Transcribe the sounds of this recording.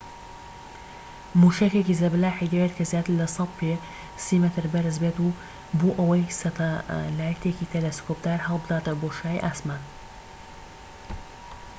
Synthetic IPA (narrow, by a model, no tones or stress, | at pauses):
muːʃɐkekizɐblaːħid̪eet̪kʰɐzjaːt̪ɨɾlɐsɐwpʰe | simɛt̪ɨɾbɐɾɨzbet̪u | buʔɐwɐjsɐt̪ʰɐlaːjɐt̪ʰekit̪ʰelɐskoːpd̪aːɾhɐlˠbɨd̪aːt̪ɐboːʃaːjḭʔaːsmaːn